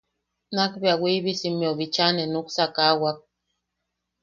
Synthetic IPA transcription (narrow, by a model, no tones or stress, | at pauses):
nakbeawʷiβisimjoβit͡ʃanenuksakawak̚